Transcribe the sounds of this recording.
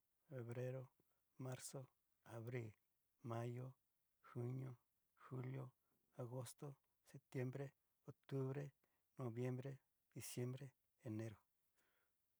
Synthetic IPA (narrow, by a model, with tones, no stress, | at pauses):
fe˨βɾe˦ɾo˦ | ma˦ɾso˦ | a˨βɾi˦˨l | ma˦jo˦ | xu˦ɲjo˦ | xu˦ljo˦ | a˨ɣo˦st̪o˦ | se˨p̚t̪je˦mbɾe˦ | o˨k̚t̪u˦βɾe˦ | no˨βje˦mbɾe˦ | d̪̥i˨sje˦mbɾeː˦˨ | ne˦ɾo˨